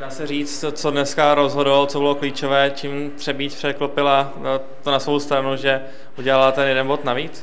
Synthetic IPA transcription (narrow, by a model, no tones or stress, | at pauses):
daːsɛriːt͡st̪t͡sodnɛskaɾozɦodlot͡sobɪlokliːt͡ʃovɛːt͡ʃiːm | t̪r̥ɛbiːt̪pr̥ɛklopɪla | t̪onasvo̞wst̪ɾanuʒɛ | ʔuɟɛlalat̪ɛnjɛdɛnbo̞t̪naviːt͡s